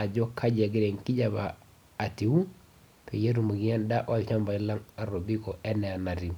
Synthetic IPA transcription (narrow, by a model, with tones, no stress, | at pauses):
a˨d͡ʒɔ˦kʰa˦d͡ʒɛ˨ɡɪ˦ɾɛ˨ŋki˦d͡ʒa˨baː˨ | ti˨wu˦ | pʰe˨ja˦t̬u˨mo˨ɡi˦a˦nda˦ʔɔ˦˨lt͡ʃa˦mba˨i˦la˦ŋa˨ɾo˨bi˦kɔ˨ɛ˦nɛ˨a˨na˨ti˨